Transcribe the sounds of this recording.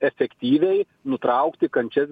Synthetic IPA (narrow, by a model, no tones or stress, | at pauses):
ɛfʲɛkt̪ʲiːʋʲɛɪ | nʊt̪ɾɐʊkt̪ʲɪkɐnʲt͡ʃʲɛs